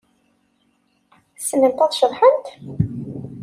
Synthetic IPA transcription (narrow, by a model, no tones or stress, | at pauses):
sənːənt̪ɑðˤʃəðˤħənt̪